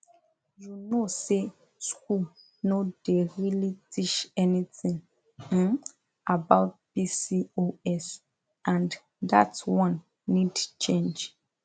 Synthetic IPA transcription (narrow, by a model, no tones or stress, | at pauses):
junose | skul | nodeɹilitʰit͡ʃɛnitĩŋ̩ | abaʊt̚pisioɛs | ʔãnd | da̰twɔ̃nː | idt͡ʃẽnd͡ʒ